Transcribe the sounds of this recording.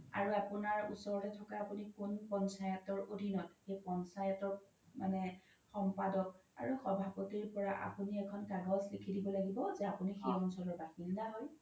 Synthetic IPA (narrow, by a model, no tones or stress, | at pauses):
a̰ɹuapunaɹṵsɔɹɔtɛtʰɔkaːpunikunpɔnsajɔtɔɹodʱinɔtxejpɔnsajɔtɔk̚ | manɛ | xɔmpadɔka̰ɹuxɔbʱapotiɹpɔɹaʔa̰puniɛkʰɔnkaɡɔslekʰidibɔlaɡibɔzɛapunixejɔnsɔlɔɹbaxildaɦɔj